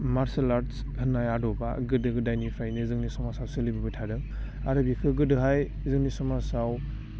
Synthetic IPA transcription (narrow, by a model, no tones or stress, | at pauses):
maɾselaɾs | hʰɯnːajadɔba̰ɡɯdɯɡɯdajnipʰajnɯzɯŋnisɔmasawsɯlibibɯtʰadɯ | aɾɯbikʰɯɡɯdɯɦaj | zɯŋnisɔmasaw